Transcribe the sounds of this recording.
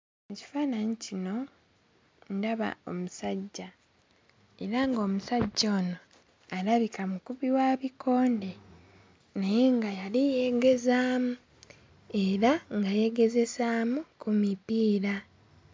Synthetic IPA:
eci̥faːnaɲicino̞ | ndaβa̰o̞̰musaɟːa | e̞ɾaŋɡo̞ːmusaɟːo̞ːno | aɾaβikamukuβiwaːβiko̞ːnde | najeŋɡajalije̞ɡe̞zaːmu | e̞ɾaŋɡaje̞ɡe̞ze̞saːmukumipiːɾa

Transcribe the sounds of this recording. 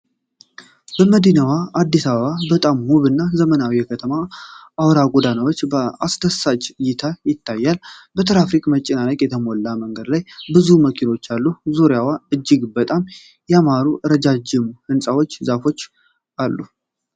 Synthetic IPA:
bəməd̪inawaad̪ːisaβəβabət̪ʼamhuβɨnːazəmənawijɛkʰət̪ʰəmaawɾaɡʷʼod̪anəwo̞t͡ʃːbəast̪ʰəsad͡ʒjɪt̪ʰajɪt̪ʰːajːalbət̪ʰɨɾafɾikʼmət͡ʃʼːɪnaləkʼjɛt̪ʰəmolːaməŋɡəd̪lajbɨzuməkʰino̞t͡ʃːalːuzoɾjawaɨd͡ʒːɪɡbət̪ʼam | jamaɾuʔɨɾəd͡ʒad͡ʒɪmhɨnsʼawo̞t͡ʃːzafo̞t͡ʃː | ʔalːu

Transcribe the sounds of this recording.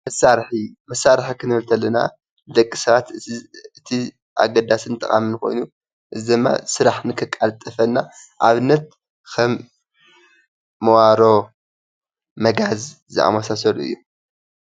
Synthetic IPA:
mɐsːaɾħimɐsːaɾħikʰɨnɨhɨlt̪ʰɐlːɐna̰ | d̪ɐkʼːisɐβat̪ɨt̪ʰi | ʔa̰ɡɐd̪asɨnɨt̪ʼɐ̰χʼa̰minɨxo̞̰jnu | ʔɨzid̪ɨmːa̰sɨɾaħnɨkʰɨkʼːalt̪ʼɐfɐnːaʔaβɨnːɐt̪̚ | kʰɐm | ɐwaɾo̞ | mɐɡaz | zɨʔa̰mɐsasɐluɨ̰jːu

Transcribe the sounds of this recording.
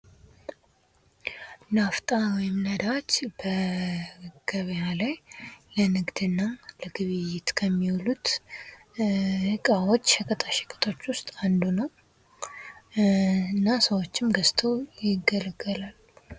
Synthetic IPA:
naft̪ʼawɔjɪmnəd̪at͡ʃːbə | ɡ̥əβjalajlənɨɡd̪ɨnːaləɡɨβɨjɪt̪kʰəmːiwɔlut̪ | hɨkʼawo̞t͡ʃːʃəkʼət̪ʼʰaʃɪ̥kʼɨ̥t̪ʼʰo̞t͡ʃːwʊst̪ʼand̪unəw | nːasəwo̞t͡ʃːɪmɡəst̪ʰəwjɪɡːəlɡəlal

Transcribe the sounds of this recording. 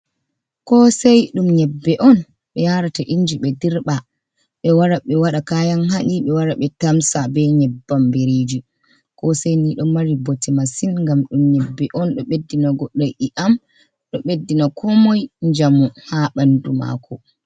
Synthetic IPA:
kɔsɛjɗumɲɛbːɛʔɔn | ɓɛjaɾataʔiɲd͡ʒiɓɛdiɾɓa | ɓɛwaɾaɓɛwaɗakajanhaʔʲiɓɛwaɾaɓɛtamsabɛɲɛbːambiɾid͡ʒi | kɔsɛjniɗɔmaɾibotɛmasinŋɡamɗumɲɛbːɛʔɔnɗɔɓedːinaɡɔɗːajʔiʔam | ɗɔɓedːinakʰɔmɔjɲd͡ʒamuhaɓanduma̰kʰɔ

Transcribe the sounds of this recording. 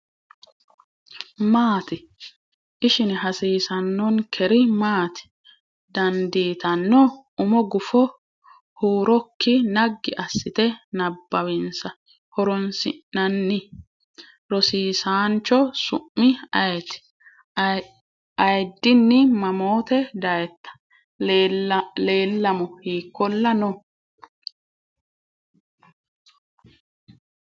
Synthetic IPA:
maːt̪ɪ | ʔɪʃɪnɛɦɐsiːsɐnːɔnkʰɛɾɪmaːt̪ɪ̥ | d̪ɐnd̪iːt̪ɐnːɔ | ʊmɔɡʊfɔ | huːɾɔkʰːɪnɐɡːɪʔɐsːɪt̪ɛnɐbːɐwɪnsɐ | hɔɾɔnsɪ̰nːɐnːɪ | ɾɔsiːsaːnt͡ʃːɔsʊʔːɪɐjt̪ | ɐjd̪ːɪnːɪmɐmoːt̪ɛd̪ɐjɛt̪ːɐ̥ | le̞ːlːɐmɔhiːkːɔlːɐnɔ

